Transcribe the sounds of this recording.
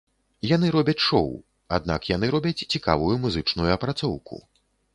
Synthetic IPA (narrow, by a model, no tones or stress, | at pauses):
jan̪ɨɾɔbʲɐt͡sʲʂɔ̰w | a̰d̪na̰kjanɨɾɔbʲɐt͡sʲt͡sʲika̰vujumuzɨt͡ʂnujuɐpɾat̪sɔwkṵ